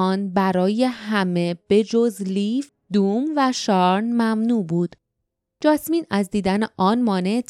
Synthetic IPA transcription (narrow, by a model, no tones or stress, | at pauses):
ɒːnbæɾɒːje̞hæme̞b̥e̞d͡ʒozliːf | d̪uːmvæʃɒːɾnmæmnuːbuːd̪̥ | d͡ʒɒːsmiːnæzd̪iːd̪æneʔɒːnmɒːne̞